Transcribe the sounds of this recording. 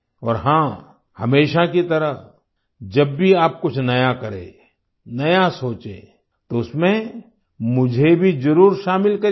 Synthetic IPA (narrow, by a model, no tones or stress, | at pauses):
ɔːɾɦãː | hɐmeːʃakit̪ɐɾəɦ | d͡ʒɐbːʱiaːp̚kʊt͡ʃʰnɐjakɐɾḛ̃ː | nɐjasoːt͡ʃẽː | t̪oʊsmẽ | mʊd͡ʒʱebʱid͡ʒɐɾuːɾʃaːmɪlkɐɾ